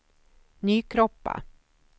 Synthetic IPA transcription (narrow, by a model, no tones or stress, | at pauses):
nyːkʰɾɔpːa̰